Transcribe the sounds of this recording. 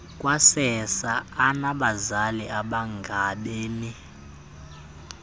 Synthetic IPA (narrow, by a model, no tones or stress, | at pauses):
kʼwasɛsaːnaɓazaliʔaɓaŋɡʱaɓeːmi